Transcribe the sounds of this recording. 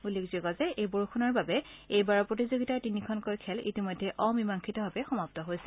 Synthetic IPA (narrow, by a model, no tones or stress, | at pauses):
ulːekzokɔzɛʔejboɹukʰunaɹbabɛejbaɹɔpɹotizoɡitaɹtinikʰɔnkojkʰɛlḭtimɔjdʱːɛʔɔmimaŋkʰitɔbabɛxɔmap̚tɔɦojsɛ̥